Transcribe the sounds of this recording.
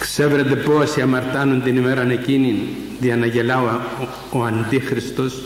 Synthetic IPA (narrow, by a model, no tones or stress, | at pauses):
kseveɾet̪epoasiamaɾt̪anunt̪inimeɾanekinin | d̪ianaʝelaoa | oant̪ixɾist̪os